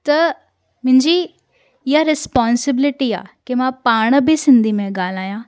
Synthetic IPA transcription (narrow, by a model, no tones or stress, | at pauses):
t̪ɐ | mɪ̃ɲd͡ʒi | ɪɦaɾɪspɔːnsɪbɪlɪʈia̰ːkemãːpaːɳ̃bʱisɪ̃nd̪ʱimẽɡaːlaːjãː